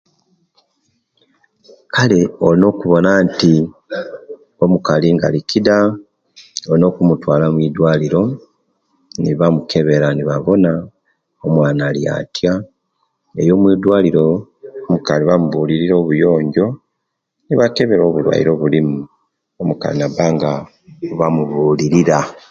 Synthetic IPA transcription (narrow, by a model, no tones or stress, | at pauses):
kʰale̞olino̞ːkuβo̞naːnti | o̞mukaliŋɡa̰likida | o̞lino̞ːkumutwaːlamwiːdwaːliɾo̞ | niβamuke̞βe̞ɾaniβaβo̞na | omwaːnalja̰ːtja | ejo̞ːmwiːdwaːliɾo̞omukaliβamuβuːliɾiɾo̞ːβujo̞ːɲɟo̞ | niβake̞βe̞ɾo̞ːβulwa̰ḭɾo̞ːβulimu | omuka̰linabaŋɡa | βamuβuːliɾiɾa